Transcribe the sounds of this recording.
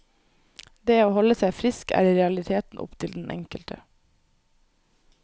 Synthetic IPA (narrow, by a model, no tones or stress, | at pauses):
d̪eːoːhɔləsæɪfɾɪskæ̰ːɾiːɾɛɑlɪt̪ʰeːt̪n̩ʔɔ̰pt̪ʰɪld̪nʔɛ̰ŋkəlt̪ʰə